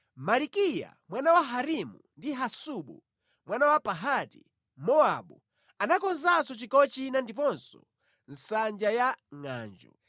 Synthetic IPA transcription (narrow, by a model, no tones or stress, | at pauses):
malikija̰mwanawaɦaɾimṵndiɦasuɓu | mwanawapaɦati | mɔaɓu | anakɔnzasɔt͡ʃikɔt͡ʃinandipɔnsɔ | n̩sand͡ʒajaŋa̰ːnd͡ʒɔ̰